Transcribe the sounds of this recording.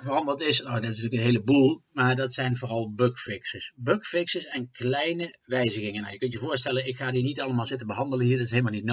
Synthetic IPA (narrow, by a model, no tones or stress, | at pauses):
vərɑndəntɪsnowdɔtɪsntyːləkənɦeːləbulˠmaːɹdɑtsɛjnvoːrɑlˠbøkfɪksəsbøkfɪksəsɛnklɛjnəʋɛjzəɣɪŋəna̰wjəkɵntjəvʊːɹstɛlənɪkxaːdinitɑləmaːlˠzɪtənbəɦɑndələnɦiːɹdɑtɪsɦeːlˠmalˠnitno